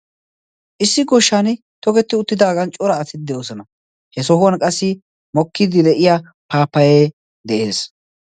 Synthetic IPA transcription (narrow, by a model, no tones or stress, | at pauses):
ʔɪsːɪɡɔʃːaːn | t̪ɔɡɛt̪ːɪʊt̪ːɪd̪aːɡɐnt͡ʃʼɔɾɐːt̪ɪt̪̚d̪ɛjoːsɔnɐ | hɛsɔɦʊwɐnkʼɐsːɪ | mɔkːɪd̪ɪd̪ɛʔɪjaː | paːpːɐjeː | d̪ɛʔe̞ːs